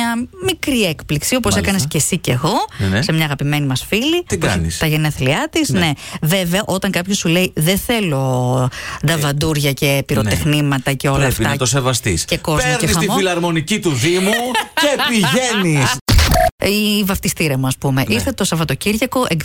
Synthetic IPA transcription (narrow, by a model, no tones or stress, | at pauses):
ɐmikɾiekpliksio̞posekɐnesce̞sice̞ɣo̞semɲɐːɣɐpime̞nimɐsfilit̪ɐnḭst̪ɐʝe̞neθliɐt̪isneveveɐʔo̞t̪ɐŋkɐpçosule̞iðeθe̞lo̞ | d̪ɐvɐnd̪uɾʝɐce̞piɾo̞t̪exnimɐt̪ɐce̞o̞lɐːfɐt̪os̬evɐst̪ḭsce̞ko̞zeoɾeisɐimffilɐɾmo̞nicit̪uðimucepiʝenis | ivɐft̪ist̪iɾɐmuɐspumeʔist̪et̪osɐvɐt̪o̞ciɾʝɐko̞ʔeɡ